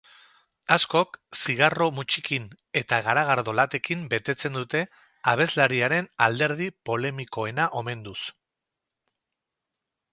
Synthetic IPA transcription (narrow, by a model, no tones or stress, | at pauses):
asko̞ksiɣaro̞mut͡ʃikin | e̞t̪aɣ̞aɾaɣ̞aɾðo̞lat̪e̞kimbe̞t̪e̞t͡se̞nd̪ut̪e̞ | aβ̞e̞zlaɾiaɾe̞nald̪e̞ɾð̞ipo̞le̞miko̞e̞naʔo̞me̞nd̪us